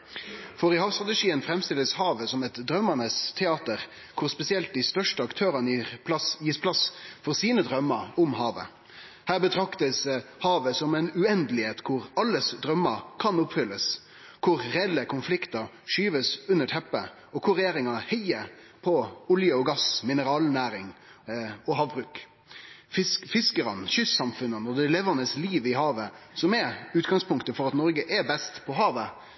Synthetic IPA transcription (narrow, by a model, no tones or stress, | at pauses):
fɔɾɪhɑːʋst̪ʁɑt̪ɛʂiːənfɾɛmst̪ɪlːəshɑːʋəsɔmɛt̪d̪ɾœmːɑnəst̪ʰɛɑːt̪əʁ | kʰʊʁspɛsɪɛlt̪̚d̪ɪst̪œʂʈəɑkt̪ʰøːɾɑnəsjiːspʰlɑsfɔʁsiːnəd̪ɾœmːəɾʊmhɑːʋə̰ | hæːbət̪ʰɾɑkt̪əshɑːʋəsɔmɛɪnʉɛnd̪əlɪheːt̪kʰʊʁɑlːəsd̪ʁœmːəkʰɑnʊpfʏlːəs | kʰʊɾːɛɛlːəkʰʊnflɪkt̪ɑɾ | ʂyːʋəsʉnːəʈʰɛpːə | ɔkʰʊɾɛjeːɾɪŋɑhɛɪə | pʰɔʊljəɔɡɑsmɪnəɾɑːlnæːɾɪŋ | ɔɦɑːʋbɾʉːk | fɪfɪskəɾɑ̰nʃʏsːɑmfʉnənɔd̪ɛleːʋənəsliːʋɪɦɑːʋəsɔmɛʉːt̪̚ɡɑŋspʰʊŋkt̪əfɔɾɑt̪nɔɾɡəʔɛbɛst̪pʰɔɦɑːʋə